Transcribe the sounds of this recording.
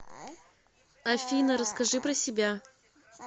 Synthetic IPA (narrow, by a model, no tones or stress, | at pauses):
ɐfʲinəɾəskɐʐɨpɾəsʲɪbʲa